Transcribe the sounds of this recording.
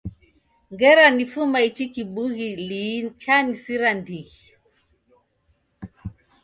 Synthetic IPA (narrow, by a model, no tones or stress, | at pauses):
ŋɡɛɾanifumait͡ʃikiɓuɣilit͡ʃanisiɾandiɣi